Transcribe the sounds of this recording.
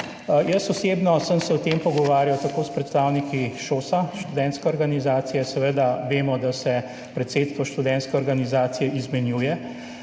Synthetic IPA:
jəsɔseːbnɔsəmsɛɔt̪eːmpɔɡɔʋaːɾjawt̪akoːspɾɛt̪st̪aːwnikiʃoːsaʃt̪ud̪ɛ̃nt̪skɛɔɾɡanizaːt̪sijɛsɛʋəd̪aʋeːmɔd̪asɛ | pɾɛt̪seːt̪st̪ʋɔʃt̪ud̪ɛ̃nskɛɔɾɡanizaːt̪sijɛʔizmɛnjuːjɛ

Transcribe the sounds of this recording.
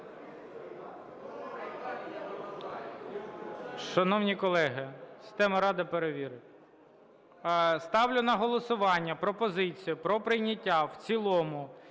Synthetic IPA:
ʃɐnɔwnʲikɔlˠɛɦɪsʲi̥st̪ɛmɐɾɑd̪ɪpeɾeʋʲiɾɪ | st̪ɑwlʲʊnɐɦɔlˠɔsʊʋɑnʲːɐpɾɔpɔzɪt͡sʲijʊpɾɔpɾɪjnʲɐtʲːawt͡sʲilˠɔmʊ

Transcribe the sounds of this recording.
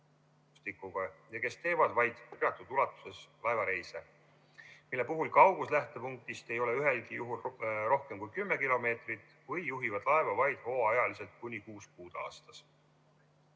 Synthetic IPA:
st̪ikːˑuɡ̥ɑjɑke̞st̪e̞ːvɑd̪̥vɑjd̪̥peɑt̪ːˑud̪̥ulɑt̪ːˑu̥se̞slɑevɑɾe̞jse | milːe̞puɦulkɑwɡ̥uslæht̪e̞puŋk̚t̪ist̪e̞jo̞leyɦe̞lkijuɦulɾo̞hke̞mkujkymːe̞kilo̞me̞ːt̪rit̪ːˑ | vɯjːuɦivɑd̪̥lɑe̞vɑvɑjd̪̥ho̞ːɑɑjɑlise̞lt̪̚kunʲikuːskuːd̪̥ɑ̰ːst̪ɑs

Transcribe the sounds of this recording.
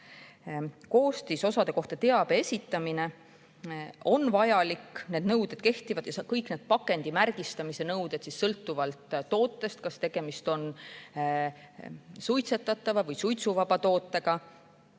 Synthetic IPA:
ko̞ːst̪iso̞sɑd̪e̞ko̞ht̪ɑt̪e̞ɑb̥eesʲit̪ːˑɑmine̞ | o̞nvɑjɑlikːne̞ːd̪nɤwd̪̥e̞d̪̥ke̞ht̪ivɑd̪̥jɑskɤjkned̪̥̚pɑkːˑe̞nd̪̥imærɡ̥ist̪ɑmise̞nɤwd̪̥e̞t̪sisːɤlt̪ːuvɑlt̪ːo̞ːt̪ːˑe̞st̪̚kɑst̪e̞ɡ̥e̞mist̪o̞n | sujt̪se̞t̪ːˑɑt̪ːˑɑvɑvɤjsujt̪suvɑb̥ɑt̪o̞ːt̪ːˑe̞ɡ̥ɑ

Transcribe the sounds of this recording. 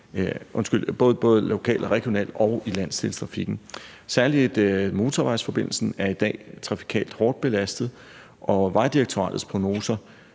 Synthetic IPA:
ʔɔ̽nsɡ̥yl̰b̥ɔ̽ːð̞̩ˠb̥ɔ̽ːð̞ˠlo̝kʰɛ̰ːlɒʁɛɡ̥jo̝nɛ̰ːld̥ɒʊilæn̰st͡sʰe̝lst͡sʰʁɑ̈fiɡ̥n̩ | sæɐlid̥mo̝ːt͡sʰɒʋɑ̈ɪsfɒ̽b̥e̝n̰l̩sn̩æɐid̥ɛ̰ːt͡sʰʁɑ̈fi̥kʰɛ̰ːld̥hɒːd̥̚b̥e̝læsd̥ð̞̩ˠ | ʔɒ̽ʋɑ̈ɪd̥iʁeɡ̥̚t͡sʰo̝ʁɑ̰̈ːd̥ð̩ˠspʰʁo̝no̝ːsɐ

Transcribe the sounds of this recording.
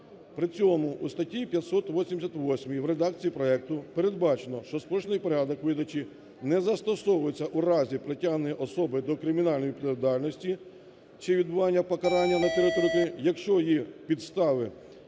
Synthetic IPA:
pɾɪt͡sʲɔmʊʔust̪ɐtʲipʲjɐt̪sɔt̪ʋɔsʲimd̪esʲɐt̪ʋɔsʲmʲiiwɾed̪ɑk̚t͡sʲijipɾɔɛk̚t̪ʊpeɾe̞d̪̚bɑt͡ʃenɔʃt͡ʃɔspɔʃnɪjpɔɾʲad̪ɔkʋɪd̪ɐt͡ʃi | nɛzɐst̪ɔsɔʋʊjet͡sʲːɐʔuɾɑzʲipɾetʲaɦnenjʲiʔɔsɔbɪd̪ɔkɾɪmʲinɑlʲnɔjipɾɐʋʲid̪ɑlʲnɔsʲtʲi | t͡ʃɪʋʲid̪bʊʋɑnʲːɐpɔkɐɾɑnʲːɐnɐt̪eɾɔt̪ɔɾʲit̪ʲiijɐkʃt͡ʃɔjipʲid̪st̪ɑʋɪ

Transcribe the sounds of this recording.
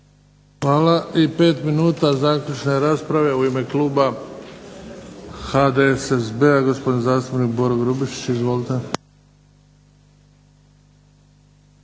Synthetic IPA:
xʋaːlaipe̞ːt̪minuːt̪azaːkʎʲut͡ʃne̞ɾaːspɾaʋe̞uime̞kluːba | xad̪esesbeaɡo̞spo̞d̪inzaːst̪upnik̚boɾoɡɾubiʃi̥t͡ɕizʋoːlt̪e

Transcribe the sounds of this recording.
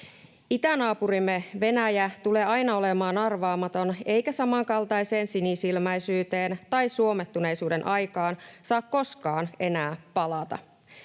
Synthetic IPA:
it̪ænɑːpuɾimːeʋe̞næjæt̪ule̞ːɑjnɑo̞lemɑːnɑrʋɑːmɑt̪o̞ne̞jkæsɑmɑŋkɑlt̪ɑjse̞ːnsinisilmæjsyːt̪e̞ːnt̪ɑjsuo̞met̪ːune̞jsuːde̞nʔɑjkɑːnsɑːkko̞skɑːne̞næːpɑlɑt̪ɑ̰

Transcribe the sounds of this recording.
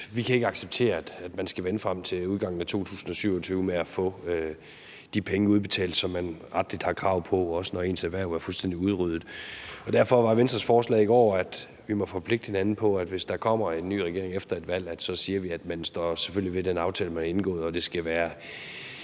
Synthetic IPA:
ʋikʰæe̝ɡ̥əɑ̈ɡ̥seb̥̚t͡sʰe̝̰ːɐæd̥æd̥mænsɡ̥æʋenəfʁɑ̈m̰t͡sʰe̝uðˠɡ̥ɑ̈ŋ̰n̩æt͡sʰo̝̰ːt͡sʰṵːsn̩ɒ̽syʊ̰ɒt͡sʰyːʊmeæfɔ̰̽ø | d̥ipʰeŋəuð̞ˠb̥e̝t͡sʰɛ̰ːld̥sɒ̽mːænʁɑ̈d̥lid̥hɑ̈kʰʁɑ̈ʊpʰɒ̽ɒ̽sənɒe̝̰ːnsæʋæɐ̰æɐfulsd̥en̰d̥iuð̞ˠʁyð̞ˠð̩ˠɒ̽d̥æɐ̰fɒ̽ʋɑ̈ʋensd̥ɐsfɒːslɛ̰ːiɡ̥ɒ̰ːæd̥ | ʋimɒ̽fɒ̽pʰle̝ɡ̥d̥he̝nænn̩pʰɒ̽æd̥ʋe̝sd̥ɑ̈kʰɒ̽m̰ɐe̝nːy̰ːʁɛɡ̥e̝ɐe̝ŋefd̥ɐe̝d̥ʋæl̰æd̥sɒ̽siːɐʋiæd̥mænsd̥ɒ̰seføl̰liʋe̝d̥enɑ̈ʊt͡sʰɛ̰ːləmænɐe̝nɡ̥ɔ̰̽ːð̩ˠɒ̽d̥e̝sɡ̥æʋæːɐ

